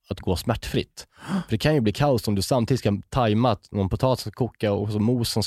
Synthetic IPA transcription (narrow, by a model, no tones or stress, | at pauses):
at̪ɡoːsmæʈːfɾɪ̰t̪ːfœɖɛkʰanjɵbliːkʰalt̪ɔmd̪ɵsamt̪ʰiːd̪t̪skat̪ʰajmat̪nɔnpʊt̪ʰɑːt̪skakʰuːkːaɔksɔmuːsɔms